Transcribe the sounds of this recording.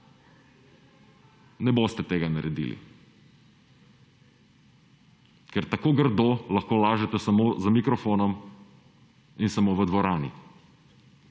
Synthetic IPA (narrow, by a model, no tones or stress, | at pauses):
nɛbost̪ɛt̪eːɡanaɾʔɛd̪ḭlḭ | kɛɾt̪akoːɡəɾd̪oːlɐxkoːlaːʒɛt̪ɛsamozamikɾɔfoːnɔm | insamoːʋəd̪ʋɔɾaːnḭ